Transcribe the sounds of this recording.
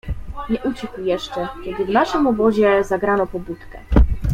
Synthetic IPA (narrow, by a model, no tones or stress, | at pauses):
ɲɛʔut͡ɕɛkujɛʂt͡ʂɛkʲɛd̪ɘvnaʂɘmɔbɔʑɛzaɡɾanɔpɔbut̪kɛ